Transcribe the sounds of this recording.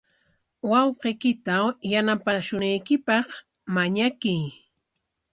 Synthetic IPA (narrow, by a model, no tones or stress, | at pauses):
wɑwqejkɪt̪awjanapaʃʊnajkɪpɑχ | maɲakij